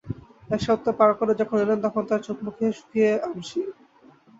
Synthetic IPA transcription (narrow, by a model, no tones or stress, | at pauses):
ɛkʃɔt̪ːepaɾkoɾed͡ʑɔkʰonelent̪ɔkʰont̪aɾt͡ɕot̪̚mukʰeʃu̥k̪ʰieamʃi